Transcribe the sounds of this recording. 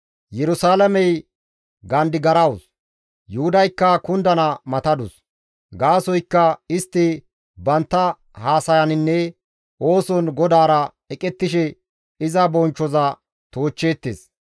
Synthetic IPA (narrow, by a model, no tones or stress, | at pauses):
jɛɾʊsaːlɐmɛj | ɡɐnd̪ɪɡɐɾɐws | jʊhʊd̪ɐjkːɐkʊnd̪ɐnɐmɐt̪ɐd̪ʊs | ɡaːsɔjkːɐɪst̪ːɪ | bɐnt̪ːɐ | haːsɐjɐnɪnːɛ | oːsɔnɡɔd̪aːɾɐ | ɛkʼɛt̪ːɪʃɛ | ɪzɐbɔnt͡ʃːɔzɐ | t̪oːt͡ʃːe̞ːt̪ːḛːs